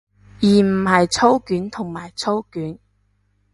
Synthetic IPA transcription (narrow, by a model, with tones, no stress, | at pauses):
jiː˨˩m̩˨˩hɐ˨jt͡sʰo˥wkyː˨˥nt̪ʰʊ˨˩ŋmaː˨˩jt͡sʰo˥wkyː˨˥n